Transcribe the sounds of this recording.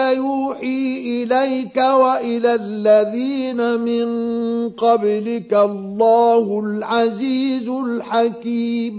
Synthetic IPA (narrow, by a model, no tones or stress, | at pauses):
juːħiːʔɪlajkawaʔɪlalːaðiːnamɪnqɑblɪkalˤːɑːhʊlʕaziːzʊlħakiːm